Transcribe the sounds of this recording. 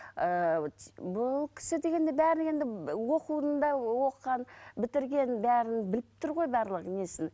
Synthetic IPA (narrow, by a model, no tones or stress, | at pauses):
ə | bʊlˠkʲʰɪ̥sɪd̪e̞ɡʲe̞nd̪ɪbæɾɪnne̞nd̪ɪwo̞quənd̪ɑwo̞qːɑnbɪt̪ɪɾɡʲe̞nbæɾɪnbɪlɪp̚t̪ʰʊɾʁo̞jbɑɾlˠəqnesɪn